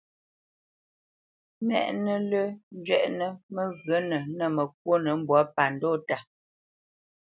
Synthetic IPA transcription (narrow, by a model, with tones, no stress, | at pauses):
mɛ̰˨ʔnə˦lə˦n̩˦d͡ʒɥɛ˨ʔnə˦mə˦ɣə˨˦nə˨nə˦˨mə˨k̚wo˦nə˨˦m̩˦˨bwɔ˨˦pa˨n̩do˦˨ta˨